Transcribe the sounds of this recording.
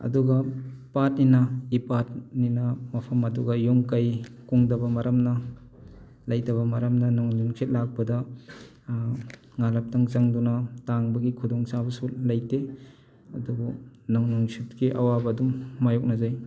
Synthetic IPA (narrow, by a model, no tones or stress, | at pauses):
ɐ̰duɡɐpat̚ninɐipat̚ninɐmɐpʰɐmɐduɡɐjumkajkuŋdɐbɐmɐɾɐmnɐ | lɐjdɐβɐmɐɾɐmnɐnaŋnuŋkʰit̚lak̚bɐdɐ | ŋalɐp̚taŋzaŋdunɐtaŋbɐɡikʰudɔŋsabɐsulɐjte | ɐduɡɐnaŋnuŋsʰit̚kiʔɐwabɐːdumːajɔk̚nɐzaj